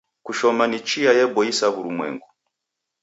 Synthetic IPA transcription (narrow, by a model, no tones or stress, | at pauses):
kuʃɔmanit͡ʃiajɛbɔisaβuɾumwɛ̰ŋɡu